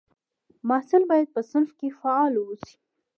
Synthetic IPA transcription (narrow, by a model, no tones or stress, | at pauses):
mɑhsɪlbɑjad̪̚pəsɪnfkefaɑlwosi̥